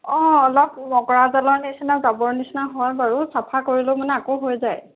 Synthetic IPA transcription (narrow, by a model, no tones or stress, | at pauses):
ɔ̃ɔlɔp̚mɔkɔɹazalɔɹnisnazabɔɹnisnaɦɔjbaɹusapʰakoɹilʊmanɛakoɦojzaj